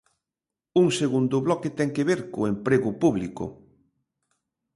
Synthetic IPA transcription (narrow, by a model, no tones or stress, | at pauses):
uŋseɣund̪ʊβlɔket̪ɛŋkeβeɾkʊempɾeɣʊpuβlikʊ̰